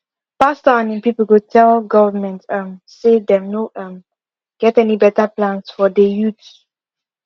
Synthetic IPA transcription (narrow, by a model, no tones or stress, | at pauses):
pastaãnɛ̃npipəlkutʰɛlɡɔvəmɛ̃ntãmsedɛ̃mnoãm | ɡ̥ɛtɛnibɛtəplãnsfɔdejut